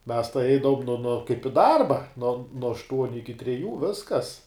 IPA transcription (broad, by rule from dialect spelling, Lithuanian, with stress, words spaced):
mʲɛs tɐɪ ˈɛɪdɐʋoːm noː kɐɪp ɪ ˈdɐrbɐ nuɔ nuɔ ɐʃˈtuɔnʲʊ ˈɪkʲɪ tʲrʲɛˈjuː ˈʋʲɪskɐs